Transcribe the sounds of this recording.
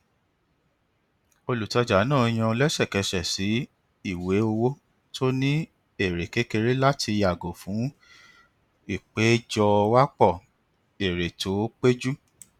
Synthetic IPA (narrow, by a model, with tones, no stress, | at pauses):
o˧lu˨tɔ˧d͡ʒa˨˦nãː˦˨˧j̃ã˧lɛ˦ʃɛ˦˨kɛ˨ʃɛ˨si˨˦ | i˦˨we˨˦o˧wo˦ | to˦nĩ˦ | e˦˨ɾe˨ke˨˦ke˧ɾe˦la˦tʰi˧ja˨ɡo˨fũ˨˦ | i˦˨k͡pe˨˦d͡ʒɔ˧wa˦k͡pɔ˦˨ | e˨ɾe˨tʰo˨˦k͡pe˦d͡ʒu˦